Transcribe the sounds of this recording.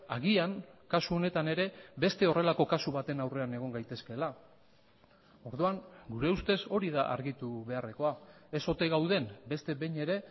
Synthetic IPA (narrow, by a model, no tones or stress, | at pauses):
aɣiaŋkasuo̞ne̞t̪ane̞ɾe̞be̞st̪e̞o̞re̞lako̞kasuβat̪e̞nawre̞ane̞ɣ̞o̞ŋɡajt̪e̞ske̞la | o̞ɾðuaŋɡuɾe̞ust̪e̞so̞ɾiðaʔa̰ɾɣit̪uβe̞are̞ko̞ae̞so̞t̪e̞ɣawð̞e̞mbe̞st̪e̞βejɲe̞ɾe̞